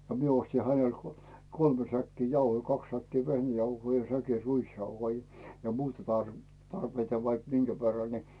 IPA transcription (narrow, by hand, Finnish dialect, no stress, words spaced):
no mie osti hænel kolme sækːi jɑuhoi kɑks sækːiː ʋehnæjɑuhoi jɑ sæki ruisjɑuhoi jɑ muːtɑ tɑrʋ tɑrpeitɑ ʋɑik minɡ̊æ ʋerːɑ ni